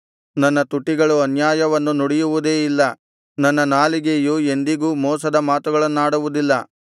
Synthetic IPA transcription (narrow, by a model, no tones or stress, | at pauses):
nɐnːɐt̪uʈːiɡɐɭuɐnjaːjɐʋɐnːunuɽijuʋud̪e̞ːilːɐ | nɐnːɐnaːliɡejue̞nd̪iɡuːmɔːsɐd̪ɐmaːt̪uɡɐɭɐnːaːɽuʋud̪ilːɐ